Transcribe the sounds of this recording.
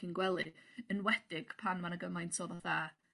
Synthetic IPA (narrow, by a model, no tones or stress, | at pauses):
inɡwɛlˠɨənwɛd̥ɪɡ̥pʰanmanaɡəmajntʰoːðaθaː